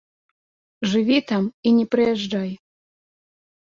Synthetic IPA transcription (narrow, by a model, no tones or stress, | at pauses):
ʐɨvʲit̪aminʲɛpɾɨjɛʐdɑj